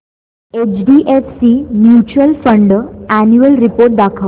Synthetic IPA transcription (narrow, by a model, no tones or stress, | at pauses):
et͡ɕɖiʔefsiːmjut͡ɕɾəlfəɳɖænjuəlɾipoɾʈ̚d̪akʰəʋ